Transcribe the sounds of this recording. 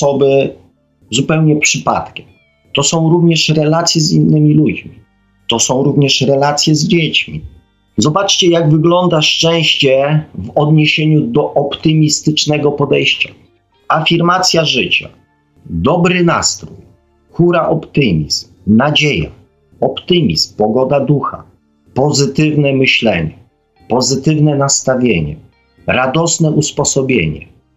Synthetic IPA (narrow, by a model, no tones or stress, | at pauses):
sɔbɘ | zupɛwɲɛpʂɘpa̰t̪kʲɛm | t̪ɔsɔ̃w̃ɾuvɲɛʂɾɛlat̪sʲjɛzinːɘmʲilud͡ʑmʲi | t̪ɔsɔ̃w̃ɾuvɲɛʂɾɛlat̪sʲjɛzd͡ʑet͡ɕmʲḭ | zɔbat͡ʂt͡ɕɛjaɡvɘɡlɔnd̪aʂt͡ʂɛ̃w̃ɕt͡ɕɛvɔd̪ɲeɕeɲud̪ɔʔɔpt̪ɘmʲist̪ɘt͡ʂnɛɡɔpɔd̪ɛjɕt͡ɕa | afʲiɾmat̪sʲjaʐɘt͡ɕa̰ | d̪ɔbɾɘna̰st̪ɾuj | xuɾaʔɔpt̪ɘmʲizmnad͡ʑeja̰ | ɔpt̪ɘmʲismpɔɡɔd̪ad̪uxa̰ | pɔzɘt̪ɘvnɛmɘɕlɛɲɛ | pɔzɘt̪ɘvnɛnast̪avʲjeɲɛ̰ | ɾad̪ɔsnɛʔuspɔsɔbʲjḛɲɛ̰